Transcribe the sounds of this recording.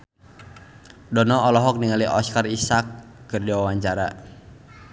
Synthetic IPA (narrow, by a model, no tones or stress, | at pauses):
dɔnɔɔlɔɦɔk̚niŋaliʔɔskarisakːɨrdiwawaɲt͡ʃaɾa